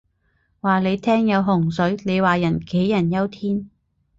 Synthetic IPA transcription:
waː˨le˨˧jt̪ʰɛː˥ŋjɐ˨˧wɦʊ˨˩ŋsɵ˨˥ɥle˨˧jwaː˨jɐ˨˩nke˨˥jːɐ˨˩njɐ˥wt̪ʰiː˥n

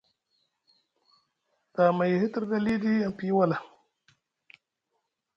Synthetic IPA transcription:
ta˨ma˨jhi˦ti˦ɾɡa˦li˦di˦a˨mpi˦wa˦la˨

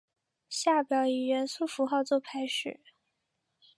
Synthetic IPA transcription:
ɕja˥˩pjɑ˧˩ʊi˨˩ɻə˧˥nsu˥˩fu˧˥xɑ˥˧ʊt͡swɔ˥˩pʰa˧˥ɪʂɻ̩˥˩˦

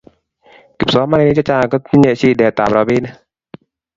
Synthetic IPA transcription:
ki˨˩p̚sɔ˨˦maː˧˨a˧niː˧˩t͡ɕa˧t͡ɕaː˧˩kɔ˧˩i˧ɲe˧˨siː˧˩dɛː˨˩t̪aː˨mɾɔː˨˧˦biː˧˨na˧˦

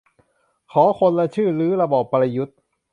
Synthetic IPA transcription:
kʰɔː˩˦kʰo˧nla˧t͡ɕʰɯː˥˩lɯː˦˥ɾa˧bɔː˨˩pːa˧la˧ju˦˥t̪̚

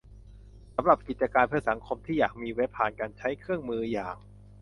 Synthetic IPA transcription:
sa˩˦mɾa˨˩p̚ki˨˩t͡ɕa˧kaː˧npʰɯ˧˥˩sa˩˦ŋkʰo˧mt̪ʰiː˥˩jaː˨˩k̚miː˧we˦˥pʰːaː˨˩nkaː˧nt͡ɕʰa˦˥jkʰɯ˥˩əŋmɯː˧jaː˨˩ŋ

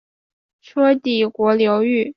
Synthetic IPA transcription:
ʈ͡ʂʰɤ˥t̪i˨˩kwɔ˧˥ljo˧˥ʊy˥˩

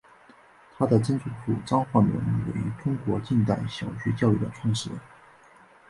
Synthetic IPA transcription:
t̪ʰa˥d̪ə˨ʈ͡ʂə˥nt͡sʰu˧˥˩tʰṵ˥˨˩ʈ͡ʂɑ˥ŋxwa˥˩mḭ˧˥n˥wḛ˨˩ɪy̰˧˥ʈ͡ʂʊ˥ŋkwɔ˧˥t͡ɕi˥˧nt̪a˥˩ɪɕjɑ˨˩ʊt͡ɕʰy˥t͡ɕjɑ˥˧ʊy˥˩d̪ə̰˨˩ʈ͡ʂʰwɑ˥˧ŋʂɻ̩˧˥

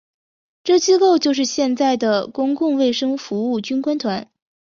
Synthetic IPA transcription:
ʈ͡ʂɤ˥˩t͡ɕi˥ko˥˧ʊt͡ɕjo˥˧ʊʂ̬ɻ̩˥˧ɕjɛ˥˧nt͡sa˥˩ɪd̪ə˩kʊ˥ŋkʊ˥˧ŋwe˥˩ɪʂɤ˥ŋfu˧˥u˥˩t͡ɕy˥nkwa˥nt̪ʰwa˧˥n

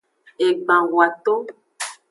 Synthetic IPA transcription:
e˨ɡ͡bã˨ɣwa˨t̪o˦

